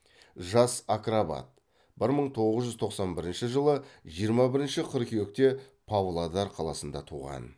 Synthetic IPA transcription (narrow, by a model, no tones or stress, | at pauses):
ʒɑsakrabɑ̰t̪̚ | bɪɾməɴt̪ʰo̞ʁəzʒʏzt̪ʰo̞qsɑnbɪɾɪnʃɪʒəlˠəʒijəɾmɑbɪɾɪnʃɪqʰəɾkʲʰewek̚t̪e̞pʰawlˠad̪ɑɾqʰɑlˠɑsənd̪ɑt̪ʰuʁɑ̰n